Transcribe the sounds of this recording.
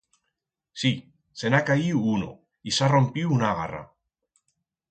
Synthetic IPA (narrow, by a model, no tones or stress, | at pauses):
si | senakaiuuno̰ | isarompiunaɣa̰ra̰